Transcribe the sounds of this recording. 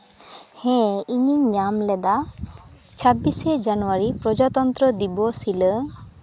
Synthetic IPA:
hɛ̃iɲiɲamlɛd̪a | t͡ʃʰabised͡ʒanuwaɾipɾɔd͡ʒat̪ɔnt̪ɾɔd̪ibɔsilə

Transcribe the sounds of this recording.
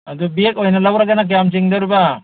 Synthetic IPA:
ad̪ubiekɔjnalawɾaɡanak̬eamt͡ʃiŋd̪aɾuba

